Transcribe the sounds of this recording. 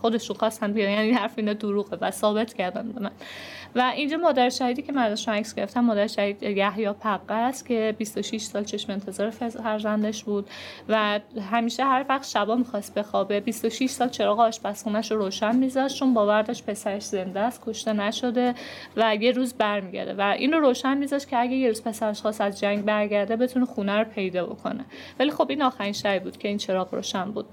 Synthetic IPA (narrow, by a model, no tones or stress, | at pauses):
xo̞d̪e̞ʃunxɒst̪ænd̪̚bijɒjænihæɾfeiːnɒd̪oɾuːɣevæsɒːbe̞t̪ʰcʰæɾd̪ænbe̞mænvæʔind͡ʒɒːmɒːd̪æɾeʃæhiːd̪iːcʰemænzæʃunæksɡe̞ɾeft̪æmːɒːd̪æɾeʃæhiːd̪jæhjɒːpʰæɣːæst̪cʰe̞bist̪oʃiʃsɒːlt͡ʃʰe̞ʃmeent̪ʰe̞zɒːɾeffæɾzænd̪eʃbuːd̪̥væɦæmiːʃeɦæɾvæʁd̪ʃæbɒːmixɒst̪̚be̞xɒːbe̞bist̪oʃiʃsɒːlt͡ʃʰe̞ɾɒːɣːʃpæsxuːnæʃoɾoːʃænmizɒʃt͡ʃʰo̞nbɒːvæɾd̪ɒʃt̪pʰe̞sæɾeʃze̞nd̪æst̪̚kʰo̞ʃt̪e̞næʃo̞d̪evæje̞ɾuːzbæɾmiɟʲæ̰ɾd̪ḛvæʔḭːnroɾoːʃænmizɒʃt̪cʰeæɡeje̞ɾuz̥pʰe̞sæɾeʃxɒːsæzd͡ʒæŋɟbæɾɟæɾd̪ebe̞t̪ʰunexunæɾopʰe̞jd̪ɒːbo̞̰kʰo̞̰nḛvælixo̞biːnɒːxæɾinʃæbibuːd̪̥cʰe̞iːnt͡ʃʰe̞ɾɒːɣɾo̰ːʃænbṵːd̪̥